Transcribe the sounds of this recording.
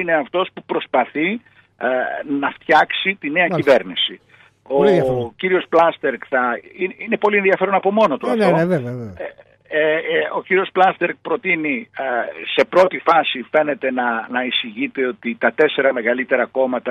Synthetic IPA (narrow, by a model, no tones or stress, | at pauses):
ine̞ɐft̪o̞spupɾo̞spɐθi | nɐft̪çɐksit̪ine̞ɐcive̞ɾnisi | o̞ciɾio̞splɐst̪eɾkθɐinine̞po̞lienðiɐfe̞ɾo̞nɐpo̞mo̞no̞t̪uɐft̪ovee | eo̞ciɾio̞splɐst̪e̞ɾk̚pɾo̞t̪ini | se̞pɾo̞t̪ifɐsife̞ne̞t̪e̞nɐnɐisiʝit̪e̞o̞t̪it̪ɐt̪ese̞ɾɐme̞ɣɐlit̪e̞ɾɐko̞mɐt̪ɐ